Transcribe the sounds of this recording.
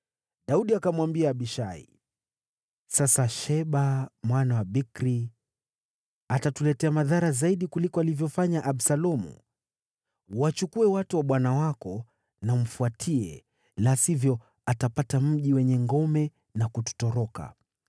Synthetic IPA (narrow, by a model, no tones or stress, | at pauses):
ɗauɗiakamwambiaːɓiʃaḭ | sasaʃɛɓamwanawaɓikɾi | atatulɛtɛamaðaɾazaiɗikulikɔalivjɔfaɲaʔaɓsalɔmṵ | wat͡ʃukuɛwatuwaɓwanawakɔ | nam̩fuatʰiɛ | lasivjɔ | atapatam̩ʄiwɛɲɛŋɡɔmɛ | nakutu̥tɔɾɔka̰